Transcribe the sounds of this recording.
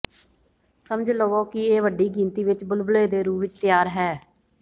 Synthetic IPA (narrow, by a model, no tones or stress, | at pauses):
səməd͡ʒləʋoːkɪeːʋəɖːiːɡĩːnt̪iːʋɪt͡ʃbʊlbleːd̪eːɾuːʋɪt͡ʃt̪ɪjaːɾɦɛː